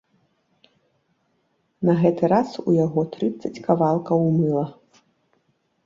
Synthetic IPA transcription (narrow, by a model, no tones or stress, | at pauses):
nɐɣɛt̪ɨɾasujaɣɔt̪ɾɨt̪sɐt͡sʲkavalˠkɐwmɨlˠɐ